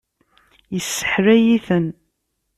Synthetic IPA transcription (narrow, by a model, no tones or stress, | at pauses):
jəsːə̥ħɾæjiθən